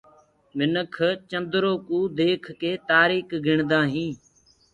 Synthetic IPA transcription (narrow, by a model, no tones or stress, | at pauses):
mɪnəkʰt͡ʃə̃nd̪ɾoːkũːd̪eːkʰkeːt̪aːɾiːkɡʱɪɳd̪ãːɦĩː